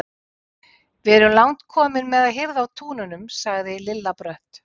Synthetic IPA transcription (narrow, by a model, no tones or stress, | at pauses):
vɪɛɾʏmlawnt̪kʰɔːmɪnmɛðaðɦɪvðaːwt̪ʰuːnʏnʏmsaɣðɪlɪlːapɾœht̪